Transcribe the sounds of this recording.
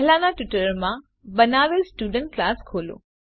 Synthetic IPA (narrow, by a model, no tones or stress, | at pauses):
pɛɦlãnaʈɪʈəɾmã | bənaːʋelsʈuːɖəɳʈ̚klaːskʰoːlo̰ː